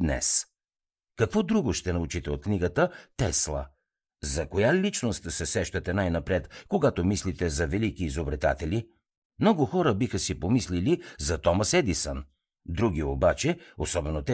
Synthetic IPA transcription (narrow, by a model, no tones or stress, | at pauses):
d̪nɛ̰s | kɐkvɔd̪ɾuɡoʃt̪ɛnɐut͡ʃit̪ɛot̪kniɡət̪ət̪ɛslˠə̰ | zɐkojalit͡ʃnost̪sɛsɛʃt̪ɐt̪ɛnajnɐpɾɛt̪koɡat̪omislit̪ɛzɐvɛlikiːzobɾɛt̪a̰t̪ɛli | mnɔɡʊxɔɾəbixəsipomislilizɐt̪ɔmɐsɛd̪isən | d̪ɾuɡ̟iobat͡ʃɛosɔbɛnot̪ɛ